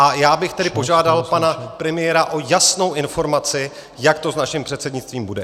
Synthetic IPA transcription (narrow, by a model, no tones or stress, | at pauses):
ʔajaːbɪxt̪ɛdɪpo̞ʒaːdalpanapɾɛmɪjɛɾaʔo̞jasno̞wʔɪnfo̞ɾmat͡sɪ | jakt̪o̞znaʃɪmpr̝̥ɛt̪sɛdɲɪt͡st̪viːmbudɛ